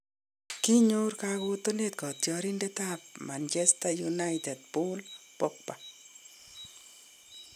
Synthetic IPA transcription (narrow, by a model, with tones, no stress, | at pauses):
ki˦ɲorkako˦to˦ne˦t̚kɔ˨tjɔ˧ɾi˦ndɛ˦tap̚ma˨nt͡ʃɛ˦stajuna˦ɪtɛ˨d̚pʊ˦lpɔ˦k̚pa˨